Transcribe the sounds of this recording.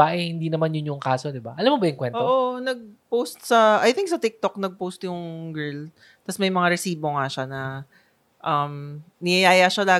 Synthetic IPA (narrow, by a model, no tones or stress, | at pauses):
aʔɛhɪnd̪inɐmanjʊnjʊŋkaːso̞d̪ɪbaʔɐlamːobɐjʊŋkwɛnʔooʔonɐɡ̚powst̪sɐʔɐjθɪŋk̚sɐt̪ɪk̚t̪ok̚nɐɡ̚powst̪jʊŋɡɛɹl | t̪ɐsmɐjmɐŋaɾɛsiːbo̞ŋaʃanɐ | ʔɐmnɪjɐjaːjaʃɐlaː